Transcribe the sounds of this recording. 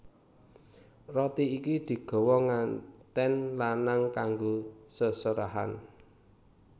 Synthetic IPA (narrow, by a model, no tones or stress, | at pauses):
rɔt̪iikid̪̥i̤ɡ̥ɔ̤wɔŋant̪ɛnlanaŋkaŋɡosəsəɾaɦa̰n